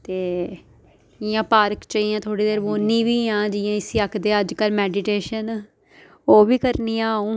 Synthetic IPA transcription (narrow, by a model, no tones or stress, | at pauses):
t̪eː | ɪjãːpaːɾkt͡ʃaːijãːt̪ʰoːɽiːd̪eːɾboːnːĩːʋiːãːd͡ʒɪjãːɪsiəkʰd̪eːəd͡ʒkəlmɛːɖiʈeːʃən | oːʋiːkəɾniːjãːũː